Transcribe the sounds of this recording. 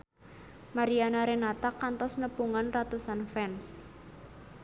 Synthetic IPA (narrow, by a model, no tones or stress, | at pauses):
maɾianaɾenat̪akant̪ɔsnəpuŋanrat̪usanfɛns